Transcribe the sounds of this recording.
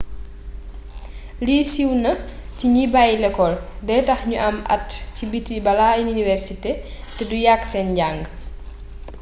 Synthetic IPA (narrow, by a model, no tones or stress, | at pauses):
liːsiwnɐtiɲibajlɛkɔldɛːtɐxɲuʔɐmʔɐ̰tːcibitibɐlaininivɛrsite | tɛdujaksɛnɟaŋɡ